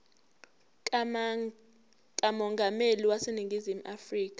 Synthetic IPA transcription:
kʼamɔŋɡʱameliwaseniŋɡʱizimuʔafriːk̬ʼḁ

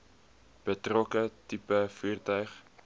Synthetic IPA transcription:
b̥ətrɔkətipəfyːrtœɥχ

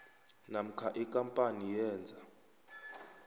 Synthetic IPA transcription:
nam̩kʰaʔikʼampʼanijɛːnd͡zʱa

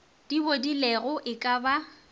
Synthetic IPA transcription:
d̥ibodilɛɣʊʔɪkʼaba

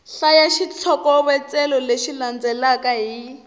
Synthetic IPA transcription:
ɬajaʃit͡sʰɔkɔβɛt͡sɛlɔleʃiland͡zɛlakaɦi

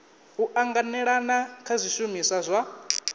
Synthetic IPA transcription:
ɦuʔaŋɡanɛɺanakʰazʷiʃumisazʷa

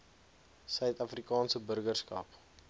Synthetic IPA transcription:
sœɥtɐfrikɑːnsəbərɡərskɐ̰p

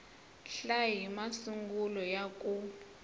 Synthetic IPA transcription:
ɬaɦimasuŋɡulɔjakʼu

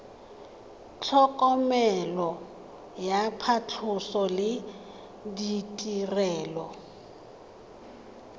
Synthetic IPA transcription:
t͡ɬʰɔkʼɔmɛlɔ | japʰat͡ɬʰʊsɔlɪ | ditʼirɛːlɔ

